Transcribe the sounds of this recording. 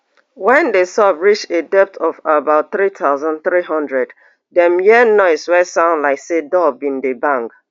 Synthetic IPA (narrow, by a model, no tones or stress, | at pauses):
wɛ̃ndesɔbɹit͡ʃedɛp̚tʰɔvabaʊt̚θɹitʰaʊzɔ̃nθɹiɦɔ̃ndɹɛd | dɛ̃mjɛnɔɪswɛsãʊ̃ndlaɪksedɔbĩndebãŋk